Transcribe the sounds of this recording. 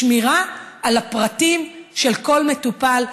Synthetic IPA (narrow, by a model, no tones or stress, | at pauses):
miʁaːlapʁatimʃelko̞lme̞tupal